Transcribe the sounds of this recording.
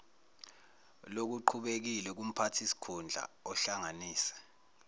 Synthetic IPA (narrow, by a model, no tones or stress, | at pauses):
lok̬uǃʰuɓek̬ilɛk̬um̩pʰatʰisi̥kʰund͡ɮʱa̰ɔɬaŋaniːsɛ̥